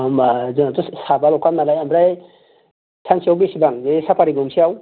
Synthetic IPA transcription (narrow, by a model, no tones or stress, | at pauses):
mzɯnatusabalɔkannalajambɾaj | tʰansiawbisibaŋzesapʰaɾiɡuŋsiaw